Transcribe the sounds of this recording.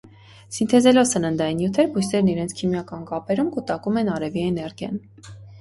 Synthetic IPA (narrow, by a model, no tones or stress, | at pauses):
sint̪ʰɛzɛlɔsənənd̪ɑinjut̪ʰɛɾbujsnɛɾniɾɛnt͡sʰkʰimjɑkɑnkɑpɛɾumkut̪ɑkumɛnɑɾɛviɛnɛɾɡjɑ̰n